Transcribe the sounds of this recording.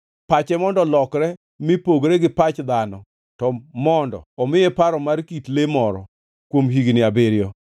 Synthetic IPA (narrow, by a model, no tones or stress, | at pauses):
pat͡ʃɛmɔndɔlɔkɾɛ | mɪpoɡɾeɡɪpat͡ʃd̪anɔ | tɔmɔndɔ̰ɔmɪjepaɾɔmarkitlemɔɾɔ̰ | kwomɦiɡnɪabeɾjɔ